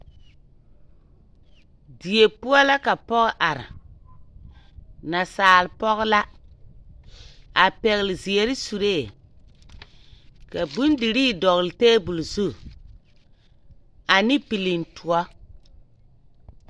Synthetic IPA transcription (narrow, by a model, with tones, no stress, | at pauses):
di˨e˨pu˦ɔ˦la˦ka˨pɔ˦ɣʔa˨ɾa̰˨ | na˨saː˨lpɔ˦ɣla˦ | a˨pɛ˨ɣlzi˨e˨ɾi˦su˨ɾeː˦˨ | ka˨bu˦ndi˨ɾiː˦˨dɔ˨ɣlteː˦bu˨lzu˦˨ | a˨nɪ˦pi˨li˨ntʰu˨ɔ˦